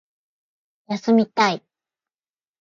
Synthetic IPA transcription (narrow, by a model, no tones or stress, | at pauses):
jasɨmʲit̪ai